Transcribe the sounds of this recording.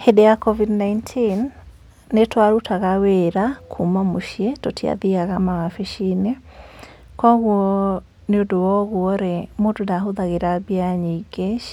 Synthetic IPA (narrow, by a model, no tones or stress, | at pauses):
hedejakɔvidnaintʰinː | etwaɾutʰaɣaweɾakʰumamoʃiɛtotʰia̰ðiaɣamawafeʃine | kɔɣwɔ | neodowɔɣuɔɾemondodaɦoðaɣeɾabiaɲeɡeʃ